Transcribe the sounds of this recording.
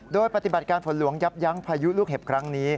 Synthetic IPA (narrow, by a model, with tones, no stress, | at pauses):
doː˧jpa˨˩t̪i˨˩ba˨˩kaː˧npʰo˩˦nlu˩˦əŋja˦˥p̚ja˦˥ŋpʰaː˧ju˦˥luː˥˩k̚he˨˩p̚kʰɾa˦˥ŋniː˦˥